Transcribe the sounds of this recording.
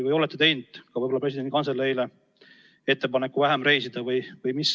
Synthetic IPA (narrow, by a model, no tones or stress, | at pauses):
vɯjo̞lɛt̪ːˑet̪e̞jnd̪̥kɑvɯjbo̞lːɑpresid̪enikɑnselːejle | e̞t̪ˑːe̞pɑnekːuvæɦæmre̞jsid̪̥ɑvɯjvɯjmis